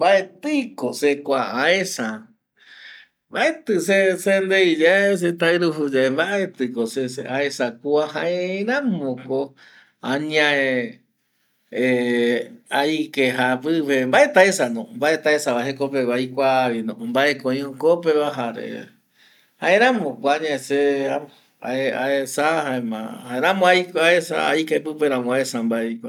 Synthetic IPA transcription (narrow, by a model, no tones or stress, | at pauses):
mbaet̪ɨkosekʷaʔãesa | baet̪ɨsesend̪ejd͡ʒaes̬et̪aɨɾuɦud͡ʒaembaʔet̪ɨkoses̬eʔaesakuahãeɾãmõko | ãɲãe | aikeɦapɨʋembaʔet̪aesanõmbaʔe̞t̪aesaβaɦekopeβajkʷaβinõmbaʔekõĩõkopeβaɦaɾḛ | hãẽɾãmõkʷoaɲãesea | a̰eaesahaẽmã̰haeɾãmõajkaesa̰a̰jkepɨpeɾãmõaesambaejkʷa